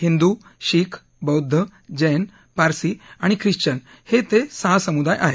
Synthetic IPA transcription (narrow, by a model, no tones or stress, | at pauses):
hind̪u | ɕiːkʰ | bəwd̪ʱːəd͡ʑejn | paɾsiaɽ̃ikʰɾiɕt͡ɕən | het̪esaɦasəmud̪ajʔa̰ɦe